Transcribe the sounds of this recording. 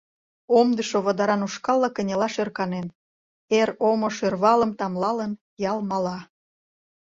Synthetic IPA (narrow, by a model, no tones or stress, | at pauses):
omd̪əʃoβɑd̪ɑɾɑnuʃkɑlːɑkənʲelɑʃørkɑnen | eɾomoʃørβɑləmt̪ɑmlɑlən | jɑlmɑlɑ